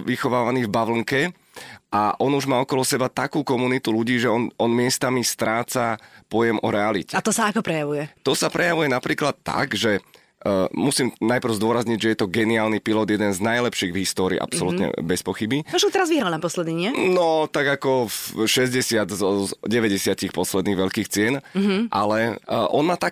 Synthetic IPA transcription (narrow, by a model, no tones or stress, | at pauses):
ʋixɔʋaːʋaniːvbaʋl̩ŋkɛ | ʔaʔɔnuʒmaːɔkɔlɔsɛbat̪akuːkɔmunit̪uluɟiːʒɛɔnɔnmɪɛst̪amist̪ɾaːt͡sapɔjɛmʔɔɾɛalicɛat̪ɔsaakɔpɾɛjaʋujɛt̪ɔsapɾʔɛjaʋujɛnapɾiːklat̪ːa̰ɡʒɛ | musiːmnajpr̩ʊzd̪ʊɔɾazɲiɟʒɛjɛt̪ɔɡɛniaːlnipilɔd̪jɛd̪ɛnznajlɛpʃiːɣvɦist̪ɔːɾḭːʔa̰psɔlut̪ɲɛ̰bɛspɔxibiɔʒɛt̪ɛɾazʋiɦɾalnapɔslɛd̪niɲɛnɔt̪aɡakɔfʃɛzɟɛsɪad̪zɔɟɛʋɛɟɛsɪacixpɔslɛd̪niːɣʋɛʎkiːxt͡sɪɛnʔa̰lɛʔɔnmaːt̪ak